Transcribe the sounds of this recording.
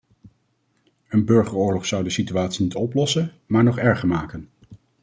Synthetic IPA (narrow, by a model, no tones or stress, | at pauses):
ənbɵɹχəɹʊːɹlɔχsʌwdəsityaːtsinitɔplɔsən | maːɹnɔχɛɹχəɹmaːkən